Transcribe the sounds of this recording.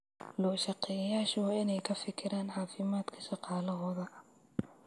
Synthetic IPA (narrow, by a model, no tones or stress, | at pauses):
lɔːʃɑqɛjɐjaːʃʊwɑːʔɪnɛjkʰɐfɪkʰɪɾaːnʕɑːfɪmaːd̪kʰɐ̥ʃɑqɑːlɐɦɔːðɐ